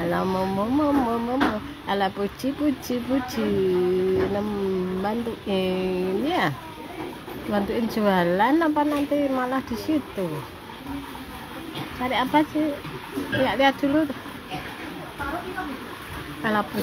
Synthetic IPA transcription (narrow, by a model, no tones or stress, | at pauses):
alamomomomomomo | alapu̥d͡ʒ̥ipu̥d͡ʒipu̥d͡ʒ̥i | nəmbant̪uiniah | bant̪uʔind͡ʒualanːapanant̪imalahd̥isit̪u | t͡ʃaɾiapasihlijaʔliat̪̚d̪̥ulut̪ | alapu